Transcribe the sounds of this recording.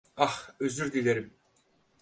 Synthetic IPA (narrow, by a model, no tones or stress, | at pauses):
axøzyɾd̪ilʲeɾim